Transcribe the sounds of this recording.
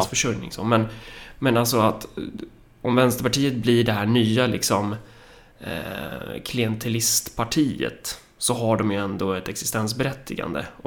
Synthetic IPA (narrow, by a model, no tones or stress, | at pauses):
sfœʂɵjnɪ̰ŋso̰ːmɛnmɛnalsɔat̪ | ɔmvɛnst̪əɾpaʈʰiːət̪̚blɪɖɛɦæːɳyːalɪksɔm | kʰlɪɛnt̪ʰɛlɪst̪pʰaʈʰiːə̰t̪ | sɔɦaɖɔmjɵɛnd̪oːɛt̪ɛksɪ̥st̪ɛns̬bɛɾɛt̪ʰːɪɡa̰nd̪ə̰ɔ